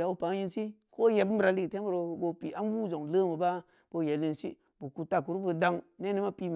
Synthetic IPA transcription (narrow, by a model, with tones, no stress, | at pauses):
a˨u˦pa˨ŋ˦ji˦nsi˦ko˦je˨b̩˦bɾa˨li˦kte˦bu˦ɾo˨˧˨bo˧pi˨ʔa˦n˦wu˦zo˨ŋlə˦mə˨ba˦ | b̥o˧˨je˨li˨nsḭ˦ | bu˨ku˨ta˨ku˨ɾu˦bə˨˧da˦ŋne˦ni˦ma˦pi˦m